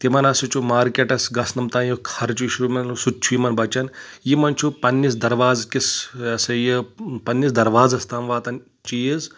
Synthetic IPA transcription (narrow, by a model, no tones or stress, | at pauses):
t̪imɐnɐsit͡ʃʰumaːɾkʲeʈɐsɡɐsnɐmt̪ãːjukʰɐɾt͡ʃʰuʃumɐnsutt͡ʃʰujimɐnbɐt͡ʃɐnjimɐnt͡ʃʰupɐnːisd̪ɐɾʋaːzkisɐsɐjipɐnːisd̪ɐɾʋaːzɐst̪aːmʋaːt̪ɐn | t͡ʃiːz